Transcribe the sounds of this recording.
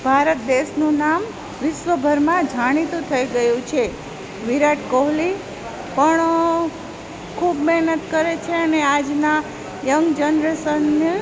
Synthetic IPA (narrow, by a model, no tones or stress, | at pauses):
bʱaɾət̪̚d̪eʃnũnam | ʋɪʃʋəbʱəɾmãd͡ʒʱaɽ̃it̪ũt̪ʰəiɡəjũt͡ʃʰe | ʋiɾaʈkoɦli | pəɳ | kʰubmɛɦnət̪kəɾet͡ʃʰeənead͡ʒna | jəŋɡd͡ʒənɾəsənjə